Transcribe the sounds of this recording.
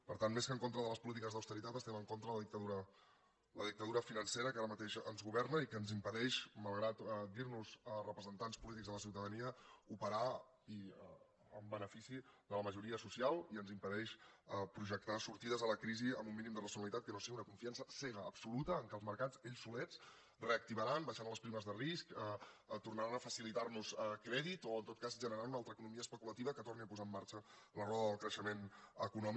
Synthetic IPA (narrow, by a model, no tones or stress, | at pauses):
pəɾt̪anmeskəŋkont̪ɾəðələspulit̪̬ikəzðəwst̪əɾit̪at̪əst̪ɛməŋkont̪ɾələðik̚t̪əðuɾə | ləðik̚t̪əðuɾəfinənseɾəkaɾəmət̪eʃənzɣuβɛɾnəikənzimpəðɛʃməlˠɣɾat̪d̪iɾnuzərəpɾəzənt̪anspulit̪̬iɡzðələsiwt̪əðəniəupəɾa | i | ə̰mbənəfisiðələməʒuɾiəsusialˠiənzimpəðɛʃəpɾuʒək̚t̪asuɾt̪iðəzðələkɾiziə̰mumːinimd̪ərəsiunəlit̪at̪̚kənosiɣiunəkuɱfiansəsɛɣ̞əːbsulut̪əːŋkəlˠzməɾkat͡seʎsːulɛt͡s | reək̚t̪iβəɾanbəʃanləspɾiməzðəriskət̪urnəɾanəfəsilit̪arnusəkɾɛðit̪oənt̪ot̪̚kazʒənəɾanunalˠt̪ɾəkunumiəspəkulət̪iβəkət̪orniəpuzaəmːaɾt͡ʃələrɔðəðəlˠkɾəʃəmenəkunɔm